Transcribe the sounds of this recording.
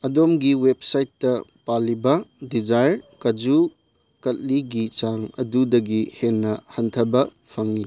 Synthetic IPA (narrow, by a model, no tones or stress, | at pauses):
ɐdomɡiwep̚sajtːɐpalːibɐdid͡ʒajɾkɐd͡ʒu | kɐt̚liɡit͡ʃaŋɐ̰dudɐɡihenːɐhɐntʰɐbɐ | pʰɐŋːi